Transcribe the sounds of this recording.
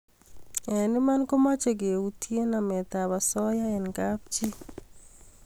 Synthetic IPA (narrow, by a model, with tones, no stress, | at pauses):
ɛ˨nɪ˦ma˦nko˦ma˦t͡ʃe˨ɡe˨ut̪je˦namɛ˨t̪abasɔ˦ja˦ɛ˨nɡap̚t͡ʃi˦